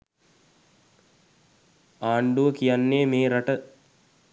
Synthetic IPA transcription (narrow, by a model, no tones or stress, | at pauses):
aːɳɖuʋəkijanːeːmeːɾaʈə